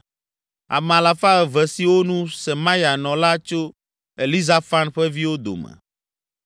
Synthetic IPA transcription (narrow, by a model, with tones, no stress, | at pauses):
a̰˨m˨a˨la˨fa˦ɣɛ˨vɛ˨si˨wo˦nũ˦sɛ˨mã˦ja˨nɔ̃˨la˦t͡ʃo˦ | e˨li˦za˦fa˦nɸɛ˦vi˦wo˦d̪o̰˨mɛ̰˨